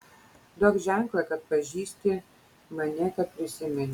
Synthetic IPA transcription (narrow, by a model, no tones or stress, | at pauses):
d̪oːkʒʲæŋklˠɐkɐt̪̚pɐʒʲiːsʲt̪ʲɪ | mɐnʲɛkɐt̪̚pʲɾʲɪsʲɪmʲɛnʲ